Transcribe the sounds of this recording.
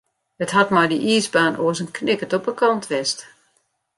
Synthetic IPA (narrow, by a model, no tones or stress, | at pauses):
hətɦatmajdiʔiːzbaːnoəsənkʰnɪkətɔpəkɑntʰʋɛst